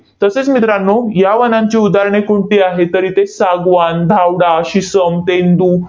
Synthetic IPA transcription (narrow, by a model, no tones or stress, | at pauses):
t̪əset͡smit̪ɾanːojaʋənãɲt͡ɕiud̪aɾɳ̃ekuɳʈ̪iːaɦet̪əɾiːt̪esaɡʋand̪ʱawɽaɕisəmt̪end̪uː